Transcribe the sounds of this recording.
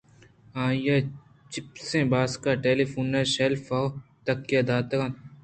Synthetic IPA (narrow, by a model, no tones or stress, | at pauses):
ãːje | t͡ʃɪpsẽːbaːskaːʈeːlifuːnːeʃelfaːt̪ɐkːeːd̪aːt̪kã